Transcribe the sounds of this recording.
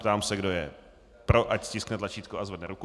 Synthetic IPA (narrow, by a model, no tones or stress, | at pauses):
t̪aːmsɛɡdojɛ | pɾo̞ʔacscɪsknɛt̪lat͡ʃiːt̪koʔazvɛdnɛɾuku